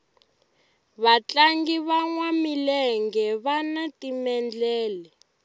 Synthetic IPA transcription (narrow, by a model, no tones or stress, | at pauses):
βat͡ɬaŋɡiβaŋwamilɛŋɡɛβanatimɛnd͡ɮɛːlɛ